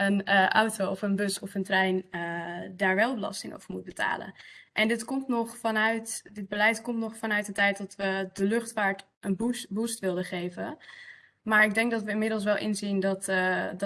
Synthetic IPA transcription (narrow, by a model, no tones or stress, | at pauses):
ənʔɔ̰wtowɔfənbɵsɔfəntrɛjnədaːɹʋɛlˠbəlɑ̰stɪŋʔo̰wv̥əɹmut̚bəta̰ːlə̰nʔɛndɪtkɔmtnɔχfɑnœɥtdɪd̚bəlɛjtkɔmtnɔχfɑnœɥt̚dətɛjt̚dɑtʋədəlɵχtfaːɹt | ʔənbubustʋɪlˠdəχejvə | maːɹɪɡ̚dɛŋkɡdɑtʋəɪnmɪdəlˠsʋɛlˠʔɪ̰nzindɑt